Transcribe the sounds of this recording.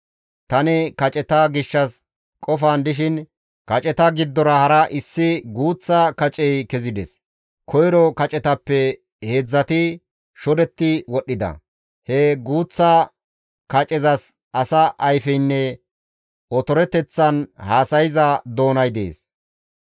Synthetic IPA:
t̪ɐnɛkɐt͡ʃʼɛt̪ɐɡɪʃːɐs | kʼɔfaːnd̪ɪʃɪn | kɐt͡ʃʼɛt̪ɐɡɪd̪ːɔɾɐhɐɾɐʔɪsːɪɡuːt͡sːɐkɐt͡ʃʼɛjkɛzɪd̪ɛs | kʰɔjɾɔkɐt͡ʃʼɛt̪ɐpːɛ | heːd͡zːɐt̪ɪ | ʃɔd̪ɛt̪ːɪwɔɗːɪd̪ɐ̰ | hɛɡuːt͡sːɐ | kɐt͡ʃʼɛzɐs | ʔɐsɐʔɐjfɛjnːɛ | ɔt̪ɔɾɛt̪ːɛt͡sːɐnhaːsɐjɪzɐd̪o̞ːnɐjd̪ḛːs

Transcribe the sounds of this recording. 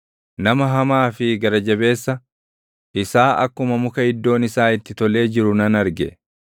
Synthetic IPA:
nɐmɐɦɐmaːfɪɡɐɾɐd͡ʒɐbe̞ːsːɐ | ʔɪsaːʔɐ̰kːʊmɐmʊkɐhɪd̪ːo̞ːnɪsaːɪt̪ːɪt̪ɔle̞ːd͡ʒɪɾʊnɐnɐɾɡɛ̰

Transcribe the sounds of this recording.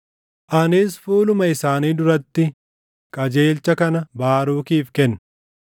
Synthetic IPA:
ʔɐnɪːsfuːlʊmɐɪsaːniːd̪ʊɾɐt̪ːɪ | kʼɐd͡ʒe̞ːlt͡ʃɐkɐnɐbaːɾuːkiːfkɛnː

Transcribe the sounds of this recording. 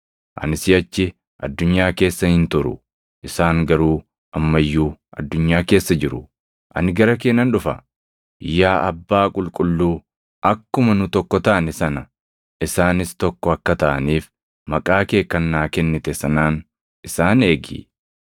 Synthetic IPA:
ʔɐ̰nɪsɪjɐt͡ʃːɪ | ʔɐ̰d̪ːʊɲːaːke̞ːsːɐhɪnt̪ʊɾʊ̰ | ʔɪsaːŋɡɐɾuː | ʔɐmːɐjːuːʔɐ̰d̪ːʊɲːaːke̞ːsːɐd͡ʒɪɾʊ | ʔɐ̰nɪɡɐɾɐk̬eːnːɐnᶑʊfɐ | jːaːʔɐbːaːkʼʊlkʼʊlːuː | ʔɐkːʊmɐnʊt̪ɔkːɔt̪ɐʔɐnɛsɐnɐ | ʔɪsaːnɪst̪ɔkːɔɐkːɐt̪ɐʔɐ̰niːf | mɐkʼaːke̞ːkːɐnːaːkɛnːɪt̪ɛsɐnaːn | ɪsaːne̞ːɡḭː

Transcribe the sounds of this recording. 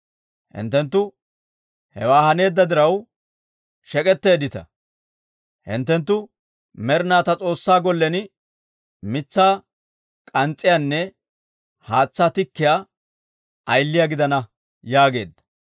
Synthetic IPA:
hɪ̰nt̪ːɛnt̪̬ːʊ | hɛ̰waːhɐne̞ːd̪ːɐd̪ɪɾɐw | ʃɛkʼɛt̪ːe̞ːd̪ɪt̪ɐ̰ | hɪ̰nt̪ːɛnt̪ːʊ | mɛɾnaːt̪ɐt͡sʼo̞ːsːaːɡɔlːɛnɪ | mɪt͡sːaː | kʼɐnt͡sʼːɪjaːnːɛ | haːt͡sːaːt̪ɪkːɪjaː | ʔɐjlːɪjaɡɪd̪ɐnɐ | jaːɡe̞̰ːd̪ːɐ̥

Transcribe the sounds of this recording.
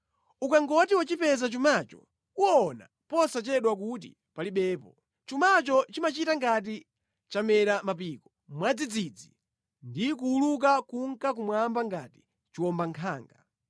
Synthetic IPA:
ukaŋɡɔtiwat͡ʃipɛzat͡ʃumat͡ʃɔ̰ | uɔna̰ | pɔsat͡ʃɛɗwak̬ut̬ḭ | paliɓɛːpɔ | t͡ʃumat͡ʃɔt͡ʃimat͡ʃitaŋɡat̬i | t͡ʃamɛɾamapiːkɔ | mwad͡zid͡zid͡zḭ | ndikuuluk̬akuŋ̩kak̬umwambaŋɡati̥ | t͡ʃiwɔmbaŋkʰaːŋɡa

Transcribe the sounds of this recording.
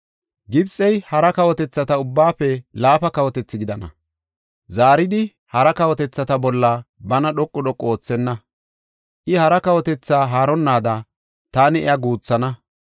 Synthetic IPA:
ɡɪbsʼɛjhɐɾɐkɐwɔt̪ɛt͡sːɐt̪ɐʊbːaːfɛlaːfɐkɐwɔt̪ɛt͡sːɪɡɪd̪ɐnɐ̰ | zaːɾɪd̪ɪ | hɐɾɐkɐwɔt̪ɛt͡sːɐt̪ɐbɔlːɐbɐnɐɗɔkʼːɔɗɔkʼːo̞ːt͡sːɛnːɐ | ʔɪhɐɾɐkɐwɔt̪ɛt͡sːaːɦaːɾɔnːaːd̪ɐ | t̪aːnɪɛ̰jɐɡuːt͡sːɐnɐ

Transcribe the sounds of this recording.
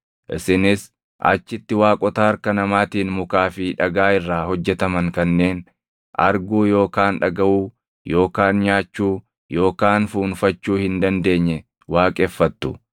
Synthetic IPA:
ʔɪ̰sɪnɪs | ʔɐ̰t͡ʃːɪt̪ːɪwaːkʼɔt̪ɐɐɾkɐnɐmaːt̪iːnmʊkaːfɪᶑɐɡaːɪrːaːhɔd͡ʒːɛt̪ɐmɐŋkɐnːe̞ːn | ʔɐ̰ɾɡuːjo̞ːkaːnᶑɐɡɐʔuː | jo̞ːkaːnɲaːt͡ʃːuː | jo̞ːkaːnfuːnfɐt͡ʃːuːhɪnd̪ɐnd̪e̞ːɲːɛ | waːkʼɛfːɐt̪ːʊ

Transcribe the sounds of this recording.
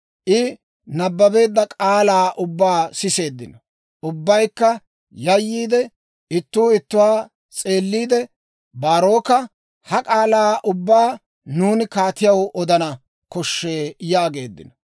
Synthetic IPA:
ʔɪ | nɐbːɐbe̞ːd̪ːɐkʼaːlaːʔʊbːaːsɪse̞ːd̪ːɪ̰nɔ | ʔʊbːɐjkːɐ | jɐjːiːd̪ɛ | ɪt̪ːuːɪt̪ːʊwaː | t͡sʼe̞ːlːiːd̪ɛ | baːɾo̞ːkɐ | hɐkʼaːlaːʔʊbːaː | nuːnɪkaːt̪ɪjɐwʔɔd̪ɐnɐ | kɔʃːe̞ːjaːɡe̞ːd̪ːɪ̰nɔ

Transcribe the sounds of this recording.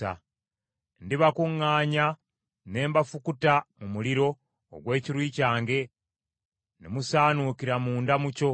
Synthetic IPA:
a̰ | ndiβakuŋːaːɲa | ne̞ːmbafukutamumuliɾo̞̰ː | ɡwe̞ːciɾwiːcaːŋɡe̞ | nemusaːnukiɾamuːndamuco̞

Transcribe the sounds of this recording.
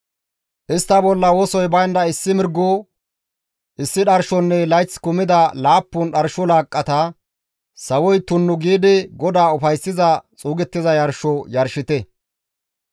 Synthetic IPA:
ʔɪst̪ːɐbɔlːɐwɔsɔjbɐjnd̪ɐɪsːɪmɪɾɡːo | ʔɪsːɪɗɐɾʃɔnːɛlɐjt͡sːkʊmɪd̪ɐlaːpːʊnɗɐɾʃɔlaːkʼːɐt̪ɐ | sɐwɔjt̪ʊnːʊɡiːd̪ɪɡɔd̪aːʊfɐjsːɪzɐt͡sʼuːɡɛt̪ːɪzɐjɐɾʃɔjɐɾʃɪt̪ɛ

